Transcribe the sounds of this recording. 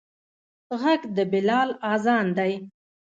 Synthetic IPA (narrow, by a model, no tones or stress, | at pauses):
ɣaɡd̪əbɪlɑlɑzɑnd̪aj